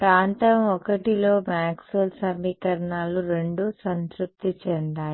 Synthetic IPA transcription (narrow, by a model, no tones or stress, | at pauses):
pɾaːnt̪ɐmɔkɐʈiloːmaːksolsɐmiːkɐɾɐɳaːluɾe̞ɳɖusɐnt̪ɾup̚t̪it͡ʃɛnd̪aː